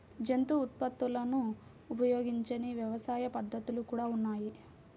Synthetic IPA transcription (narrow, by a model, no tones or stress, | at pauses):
d͡ʒent̪uːt̪̚pɐt̪ːulɐnuː | pɐjo̞ːɡiɲt͡ʃɐniʋjɐʋɐsaːjɐpɐd̪ʱːɐt̪ulukuːɽaːunːaːji